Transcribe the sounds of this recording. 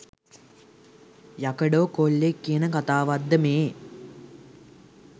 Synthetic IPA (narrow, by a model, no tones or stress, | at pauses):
jakəɖoːkolːekːijənəkat̪aːʋad̪ːəmeː